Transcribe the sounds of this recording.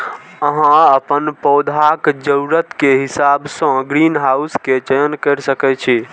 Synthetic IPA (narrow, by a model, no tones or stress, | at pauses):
əɦãəpənpɔd̪ʱakd͡ʒəɾuɾət̪keɦisabsə̃ɡɾinɦausket͡ʃəjənkəɾsəkɛt͡ʃʰi